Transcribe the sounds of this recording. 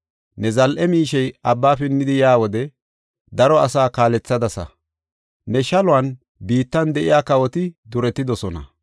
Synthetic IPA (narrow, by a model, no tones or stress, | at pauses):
nɛzɐlʔɛmiːʃɛjʔɐbːaːfɪnːɪd̪ɪjaːwɔd̪ɛ | d̪ɐɾɔɐsaːkaːlɛt͡sːɐd̪ɐsɐ̰ | nɛʃɐlʊɐn | biːt̪ːɐnd̪ɛʔɪjaːkɐwɔt̪ɪd̪ʊɾɛt̪ːɪd̪ɔsɔnɐ̰